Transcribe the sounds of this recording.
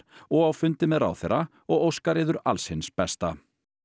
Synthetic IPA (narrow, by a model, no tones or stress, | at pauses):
ɔɣawfʏnt̪ɪmɛðra̰wθḛjrɾa | ɔɣowskaɾɪːðʏɾa̰lshɪnspɛst̪a